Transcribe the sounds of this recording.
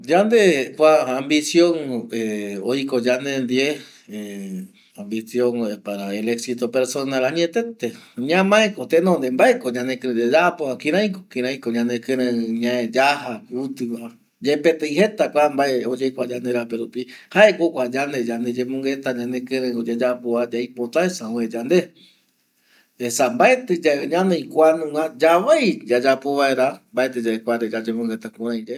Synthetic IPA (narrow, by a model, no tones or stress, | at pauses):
d͡ʒand̪ekʷaːmbisjõŋeojkod͡ʒand̪end̪ie | e | ambisjõŋepaɾaeleksit̪opeɾsonalaɲ̃ẽt̪et̪eɲãmãekot̪enõnd̪embaekoɲãnẽkɨ̃ɾẽd̪ed͡ʒapoãkĩɾ̃ãj̃ko̥kĩɾãj̃koɲãnẽkɨ̃ɾẽɲãẽd͡ʒaɦaut̪ɨkʷa | d͡ʒepet̪ejhe̞t̪akʷambaeod͡ʒejkʷad͡ʒand̪eɾapeɾupihaekokʷad͡ʒand̪ed͡ʒand̪ed͡ʒẽmõŋɡet̪aɲãnẽkɨ̃ɾẽod͡ʒed͡ʒapoad͡ʒajpot̪aesãõed͡ʒand̪e | esambaet̪ɨd͡ʒaɲãnej̃kʷanũŋad͡ʒaʋejd͡ʒad͡ʒapoβaeɾambaet̪ɨd͡ʒaekʷaɾed͡ʒad͡ʒẽmõŋɡet̪akũɾ̃ãj̃d͡ʒe